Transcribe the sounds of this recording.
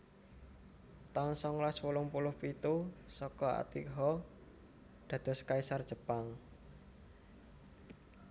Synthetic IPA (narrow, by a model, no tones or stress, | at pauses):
t̪aŋsɔŋlaswulʊŋpulʊhpit̪usɔkɔa̰t̪ikɦɔ | d̪̥ä̤d̪̥ɔ̤skaisard̥ʒ̥ə̤paŋ